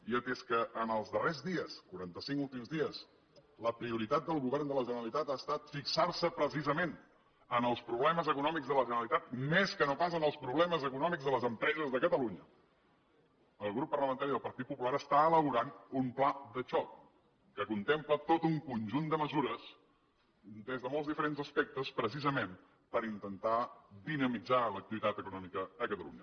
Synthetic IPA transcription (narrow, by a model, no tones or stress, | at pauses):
iət̪eskəʔənəlˠzðərezðiəskuɾant̪əsiŋkulˠt̪imzðiəs | ləpɾiuɾit̪at̪̚d̪əlˠɣuβɛrnd̪ələʒənəlit̪at̪aːst̪at̪fiksarsəpɾəs̬izəmen | ənəlˠspɾuβlɛməzəkunɔmiɡzðələʒənəlit̪at̪̚meskənopas̬ənəlˠspɾuβlɛməzəkunɔmiɡzðələzəmpɾɛzəzðəkət̪əluɲə | əlˠɣɾupːərləmənt̪aɾiðəlˠpəɾt̪it̪̚pupulaɾəst̪aələβuɾanumplad̪ət͡ʃɔk̚ː | əkunt̪emplət̪ot̪uŋkunʲʒund̪əməzuɾəs | d̪ezðəmolˠzðifəɾenzəspɛk̚t̪əspɾəsizəmem | pəɾint̪ənt̪ad̪inəmid͡zalək̚t̪iβit̪at̪əkunɔmikəðəkət̪əlṵɲə